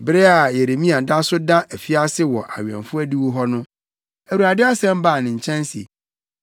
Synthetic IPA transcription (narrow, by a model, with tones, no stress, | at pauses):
bɪ˦ɾɛ˦a˨je˨ɾe˨mĩ˦a˨da˦sʊ˦dã˦æ˨fi˦a˦sɪ˦wɔ˨ʔa̰˨ɥɛ̰̃˨nfʊ˦æ˦di˦wu˦ɦɔ˦nʊ̃˦ | æ˨wu˨ɾa˨dɪ˦a˦sɛ̃˦m˦ba˦˨nɪ̃˨ɲ̩˨t͡ɕʰɛ̃˦n˦sḭ˨